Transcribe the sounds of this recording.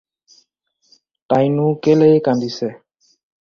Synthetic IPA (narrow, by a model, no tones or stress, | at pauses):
ʈajnukelejkand̪isɛ